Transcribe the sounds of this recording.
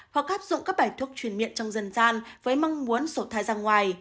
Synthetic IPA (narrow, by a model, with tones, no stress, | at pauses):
hɔ̰˨˩k̚ʔaː˦˥p̚zʊ̰˧˨ŋ͡mkaː˦˥k̚ɓaː˧˩jt̪ʰu˦˩ək̚t͡ɕwi˧˩ənmḭ˧˨ənt͡ɕɔ˧wŋ͡mzə˧nzaː˧nvəː˨˦jma˧wŋ͡mmu˨˦ənso˧˩t̪ʰaː˨˩jzaː˧ŋwaː˨˩j